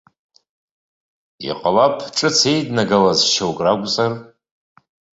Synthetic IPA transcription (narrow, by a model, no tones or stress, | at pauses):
ḭqʼalapʰʈ͡ʂʼɨt͡sʰejdnaɡalazʃowkʼraɡʷt͡sʼar